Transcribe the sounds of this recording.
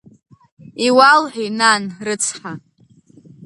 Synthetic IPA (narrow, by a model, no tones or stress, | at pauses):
iwalħʷᶣinanrɨt͡sʰħa